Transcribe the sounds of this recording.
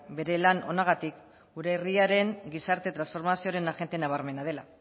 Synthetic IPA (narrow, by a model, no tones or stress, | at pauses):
be̞ɾe̞lano̞̰naɣ̞at̪ik | ɡuɾe̞ːriaɾe̞ŋɡisaɾt̪e̞t̪ɾansfo̞ɾmasio̞ɾe̞naɣe̞nt̪e̞naβ̞aɾme̞nað̞e̞la